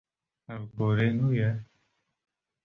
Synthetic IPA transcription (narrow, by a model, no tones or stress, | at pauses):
avboɾenujɛ